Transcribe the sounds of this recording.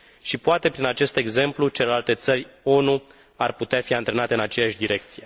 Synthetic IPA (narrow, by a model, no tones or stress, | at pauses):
ʃipoat̪e̞pɾinat͡ʃe̞st̪e̞ɡze̞mplut͡ʃe̞le̞lalt̪e̞t̪sərʲo̞nu | arput̪eafiant̪ɾe̞nat̪e̞ɨnat͡ʃe̞jaʃʲd̪iɾe̞k̚t̪sije̞